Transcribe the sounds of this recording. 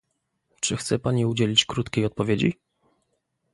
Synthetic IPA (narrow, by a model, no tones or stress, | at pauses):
t͡ʂɘxt̪sɛpaɲiud͡ʑelʲit͡ɕkɾut̪kʲejɔt̪̚pɔvʲjed͡ʑḭ